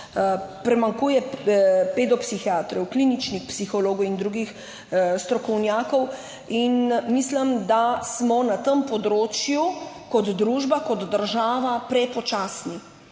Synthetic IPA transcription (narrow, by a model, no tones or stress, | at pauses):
pɾɛmaŋkuːjɛped̪ɔpsixjaːt̪ɾɛwklinit͡ʃnixpsixɔloːɡɔwind̪ɾuɡix | st̪ɾɔkɔwnjaːkɔw | inmisləmd̪asmɔnat̪əmpɔd̪ɾoːt͡ʃjukɔd̪d̪ɾuʒbakɔd̪d̪əɾʒaːʋapɾɛpɔt͡ʃaːsni